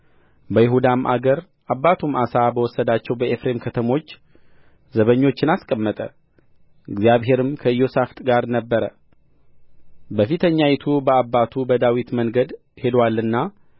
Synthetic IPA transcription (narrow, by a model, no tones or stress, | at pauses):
bəjɪɦud̪amʔa̰ɡəɾ | ʔabːat̪ʰumasabəwɔsːəd̪at͡ʃːɛwbəʔefɾe̞mkʰət̪ʰəmo̞t͡ʃː | zəβəɲːo̞t͡ʃːɪnaskʼəmːət̪ʼə̰ | ɨɡzijaβɦe̞ɾɨmkʰəɨjo̞saft̪ʼɡaɾnəbːəɾə | bəfit̪ʰəɲːajɪt̪ʰubəabːat̪ʰubəd̪awit̪məŋɡəd̪ | he̞d̪walːɨnːa